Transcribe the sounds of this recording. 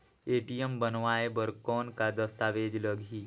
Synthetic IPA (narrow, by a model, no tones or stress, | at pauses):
eːʈijəmbənʋaːebəɾkɔːnkad̪əst̪aːʋeːd͡ʒləɡʱi